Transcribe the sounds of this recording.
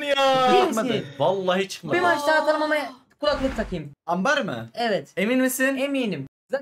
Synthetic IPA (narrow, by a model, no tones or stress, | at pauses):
njaimad̪ɯvalˠːaːɦit͡ʃʰɯ̥kmabimat͡ʃt̪aːt̪ʰalˠɯmama | kʰulˠaklˠɯpt̪ʰakʰɯjɯmambaɾmɯ̰ɛvɛt̪eminmisinemiːnim | za